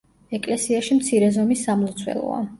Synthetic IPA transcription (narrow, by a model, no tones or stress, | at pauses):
ɛkʼlɛsiaʃimt̪sʰiɾɛzɔmisːamlˠɔt̪sʰwɛ̰lˠɔ̰a̰